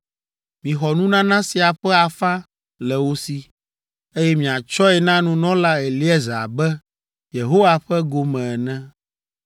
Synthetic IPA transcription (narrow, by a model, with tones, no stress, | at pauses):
mĩ˨xɔ˨nũ˦nã˦nã˦si˨a˨ɸɛ˦a˨fa˦ | lɛ˨wo˦si˦ | e˦jɛ˦mĩ˨a˨t͡ʃɔ˦ɛ˨nã˦nũ˦nɔ̃˦la˦ɛ˨li˦ɛ˦za̰˨bɛ˦ | je˨ɦo˦wa˨ɸɛ˦ɡo˨mɛ̃˨ɛ˨nɛ̃˦